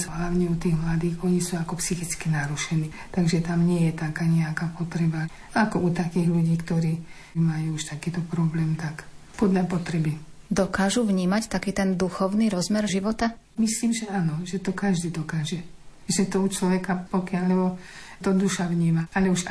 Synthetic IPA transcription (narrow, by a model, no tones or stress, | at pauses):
sɦlaʊɲɛut̪iːɣmlad̪iːxɔɲisuːakɔpsixit͡skinaɾuʃɛniːt̪aɡʒɛt̪amɲɪɛjɛt̪akaɲɛakaːpɔt̪ɾɛba | akɔut̪akiːɣʎuɟiːkt̪ɔɾiː | majuːuʃt̪akiːt̪ɔpɾɔblɛːmt̪akpɔd̪lapɔt̪ɾɛbid̪ɔkaːʒuʋɲiːmact̪akiːt̪ɛnd̪uxɔʊniɾɔzmɛɾʒiʋɔt̪a | misliːmʒɛanɔʒɛt̪ɔkaʒd̪iːd̪ɔkaːʒɛ | ʒɛt̪ɔut͡ʃlɔʋɛkapɔkɪalːɛbɔt̪ɔd̪uʃaʋɲiːmaalɛuʃ